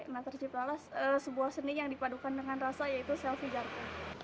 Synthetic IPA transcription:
nat̪ərt͡ʃip̚lalasəsəbuahsənijaŋdipadukandəŋanrasajait̪usɛlfid͡ʒarka

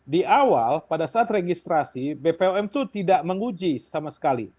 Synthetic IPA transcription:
diʔawalpadasaat̪reɡist̪ɾasibepeoɛmt̪ut̪idaʔməŋud͡ʒisamasə̥kalḭ

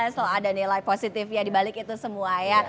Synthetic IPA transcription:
aslɔadanilajposit̪ɪfjadibalɪkit̪usəmuaja

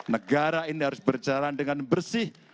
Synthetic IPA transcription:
nəɡaɾainiɦaɾʊsbərd͡ʒaɾandəŋanbərsɪh

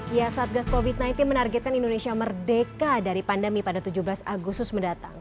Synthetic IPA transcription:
jasaat̪̚ɡaskofit̪̚najnt̪ɪnmənarɡɛt̪̚kanindonesiamərdekadaɾipandəmipadat̪ud͡ʒuhbəlasaɡust̪ʊsməndat̪a̰ŋ

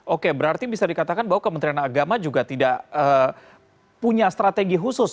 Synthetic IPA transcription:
ʔokebəɾart̪ibisadikat̪akanbaɦwakəmənt̪ɾianaɡamad͡ʒuɡat̪idaʔəː | puɲast̪ɾat̪eɡiɦusʊs

